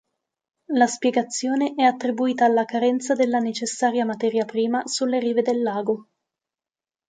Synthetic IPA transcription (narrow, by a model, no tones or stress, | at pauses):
laspjeɡat̪sːjoːneʔɛat̪ːɾibuiːt̪aːlːakaɾɛnt̪sad̪elːanet͡ʃesːaːɾjamat̪ɛːɾjapɾiːmasulːeɾiːved̪elːaːɡo